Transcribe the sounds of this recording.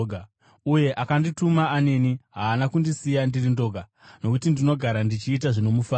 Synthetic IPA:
ɡʱa | uje̞ʔakanditumaːne̞niɦaːnakundisijandirindo̞ɡʱa | no̞kutindino̞ɡʱaɾandit͡ʃiːt̬aʐino̞mufaː

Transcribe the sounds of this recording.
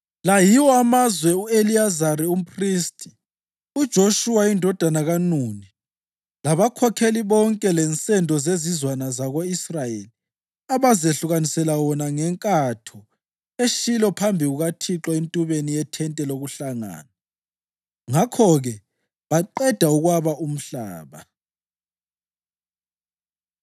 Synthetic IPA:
lajiwɔamazwɛueliazarium̩pʰristʼi̥ | ud̥ʒ̥ʱoʃuwaindʱɔd̥ʱanaɣanuːni | laβakʰɔkʰeliβɔŋkʼɛlɛnt͡sʼɛndʱɔzezizwanazaɣoisrajḛli | aβazeɬuɣanisɛlawɔnaŋɛŋkʼatʰɔ | eʃilɔpʰambʱiɣuɣatʰiǁɔentʼuβenijɛtʰɛntʼɛloɣuɬaŋa̰ːna | ŋakʰɔɣɛ | βaǃɛd̥ʱauɣwaβaʔum̩ɬa̰ːβa

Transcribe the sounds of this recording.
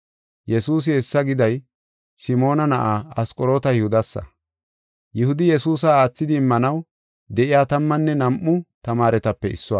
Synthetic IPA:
jɛsuːs̬ɪɛsːɐɡɪd̪ɐj | sɪmo̞ːnɐnɐʔaːɐskʼɔɾoːt̪ɐjɪhʊd̪ɐsːɐ̰ | jɪhʊd̪ɪjɛsuːs̬ɐaːt͡sːɪd̪ɪːmːɐnɐw | d̪ɛʔɪjaːt̪ɐmːɐnːɛnɐmʔʊt̪ɐmaːɾɛt̪ɐpːɛɪ̰sːɔwaː

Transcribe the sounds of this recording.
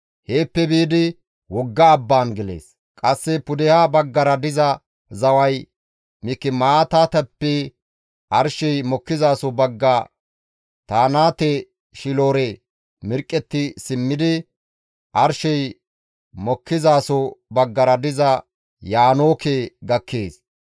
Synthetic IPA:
heːpːɛbiːd̪ɪ | wɔɡːɐːbːaːnɡɛlḛːs | kʼɐsːɛpʊd̪ɛhabɐɡːɐɾɐd̪ɪzɐ | zɐwɐj | mɪkːɪmaːt̪aːt̪ɐpːɛ | ʔɐɾʃɛjmɔkːɪzaːsɔbɐɡːɐ | t̪aːnaːt̪ɛ | ʃɪloːɾe | mɪɾkʼːɛt̪ːɪsɪmːɪd̪ɪ | ʔɐɾʃɛj | mɔkːɪzaːsɔbɐɡːɐɾɐd̪ɪzɐ | jaːnoːkeːɡɐkʰːeːs

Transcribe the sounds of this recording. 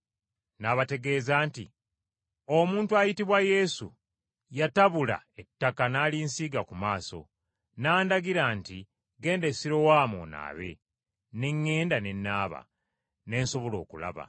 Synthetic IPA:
naβate̞ɡe̞ːzaːntḭ | o̞muːntuajitiβwaje̞sṵ | jataβula̰e̞tːakanaːlinsiːɡakumaːso̞̰ | naːndaɡiɾanti | ɡe̞ːnde̞siɾo̞waːmo̰na̰ːβe̞̰ | ne̞ŋːe̞ːndane̞nːaːβa̰ | ne̞ːnso̞βo̞lo̞̰ːkula̰βa̰

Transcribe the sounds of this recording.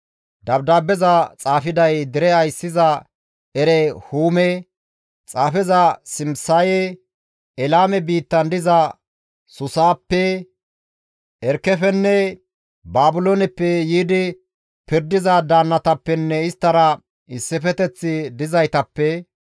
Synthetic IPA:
d̪ɐbd̪aːbːɛzɐt͡sʼaːfɪd̪ɐjd̪ɪɾɛɐjsːɪzɐ | ɛɾɛhuːmɛ | t͡sʼaːfɛzɐsɪmsajɛ | ɛlaːmɛbiːt̪ːɐnd̪ɪzɐ | sʊsaːpːɛ | ʔɛɾkːɛfɛnːɛ | baːbʊloːnɛpːɛjiːd̪ɪ | pɪɾd̪ɪzɐd̪aːnːɐt̪ɐpːɛnːɛɪst̪ːɐɾɐ | ɪsːɪfɛt̪ɛt͡sːɪd̪ɪzɐjt̪ɐpːɛ

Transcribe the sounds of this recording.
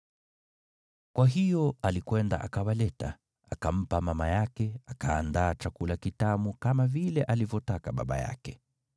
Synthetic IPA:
kwaɦijɔalikwɛnda̰ʔakawalɛta | akam̩pamamajakɛakaːndaːt͡ʃakulakitamukamavilɛʔalivjɔtakaɓa̰ɓa̰ja̰kɛ̥

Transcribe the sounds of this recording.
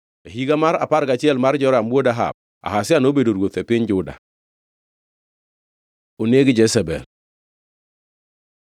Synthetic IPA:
aɦiɡamaɾa̰paɾkat͡ʃɪɛlmaɾd͡ʒɔɾamuodaɦa̰b̚ | a̰ɦasɪanobedoɾwot̪ɛpɪɲd͡ʒʊda̰ | oneɡɪd͡ʒɛsɛbɛ̰l

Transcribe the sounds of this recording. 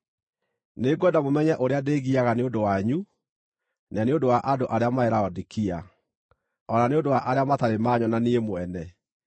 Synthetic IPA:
neːɡwɛndamomɛɲɛʔoɾeadeːɣiaɣaneondowaɲu | naneondowaʔadoʔaɾeamaeɾaɔdikia | ɔnaneondowaʔaɾeamataɾemaɲɔnaniemoɛnɛ

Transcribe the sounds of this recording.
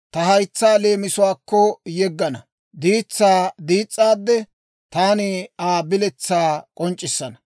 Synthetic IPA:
t̪ɐhɐjt͡sːaːle̞ːmɪsʊwaːkːɔjɛɡːɐnɐ | d̪iːt͡sːaːd̪iːt͡sʼːaːd̪ːɛ | t̪aːnɪaːbɪlɛt͡sːaːkʼɔnt͡ʃʼːɪsːɐnɐ

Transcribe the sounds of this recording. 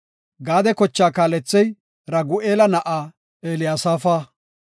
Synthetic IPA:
ɡaːd̪ɛkɔt͡ʃːaːkaːlɛt͡sːɛj | ɾɐɡʊʔeːlɐnɐʔaː | eːlɪjaːsaːfaː

